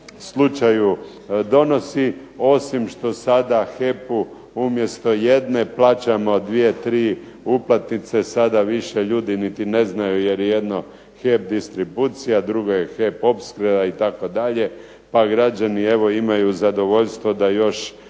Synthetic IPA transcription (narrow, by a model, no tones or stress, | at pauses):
slˠut͡ʃaju | d̪o̞no̞si | o̞simʃt̪o̞sad̪axe̞pu | umje̞st̪o̞je̞d̪ne̞plˠaːt͡ʃamod̪ʋie̞t̪ɾiː | uplˠat̪nit̪se̞sad̪aʋiʃe̞ʎuːd̪init̪ine̞znajujeɾjeje̞d̪no̞ | xe̞p̚d̪ist̪ɾibuːt̪sijad̪ɾuɡojexe̞po̞pskɾed̪ait̪ako̞d̪aʎe̞ | paɡɾad͡ʒanie̞ʋo̞imajuzad̪o̞ʋo̞ʎst̪ʋo̞d̪ajo̞ʃ